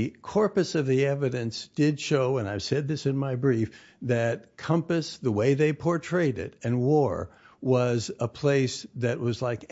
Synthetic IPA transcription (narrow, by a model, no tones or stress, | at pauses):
kʰɔɹpɨsʌvðiɛvɨɾɨ̃nsd̥ɪdʃoʊə̃naɪv̥sɛd̪̚ðɪsɨ̃nmaɪbɹif | ðɨt̚kʰʌ̃mpɨsðəweɪðeɪpʰɔɹtʰɹ̥eɪɾɪ̰ɾɨ̃nwɔɹ | wʌzəpʰl̥eɪsðɨʔ̚wʌzlaɪk